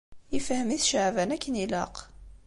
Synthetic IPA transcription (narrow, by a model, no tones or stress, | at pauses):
ifhəmiθʃəʕvænækːəniləq